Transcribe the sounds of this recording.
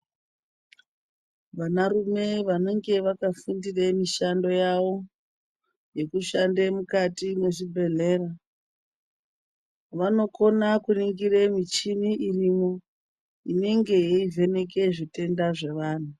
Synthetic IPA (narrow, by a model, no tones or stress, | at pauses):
ʋanarume̞ʋane̞ŋɡe̞ʋakafundiremiʃando̞jaʋo̞ | je̞kuʃandemukatimwe̞ʐibʱe̞ɮe̞ːra | ʋano̞ko̞nakuniŋɡiremit͡ʃiniʔirimo | ine̞ŋɡe̞ive̞ne̞ke̞ʐite̞ndaʐe̞ʋaːn̤u